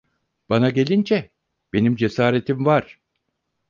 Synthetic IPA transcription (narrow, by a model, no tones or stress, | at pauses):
b̥anaɟe̞lʲind͡ʒɛ | b̥e̞nimd͡ʒe̞saːɾe̞t̪ʰimvaɾ̥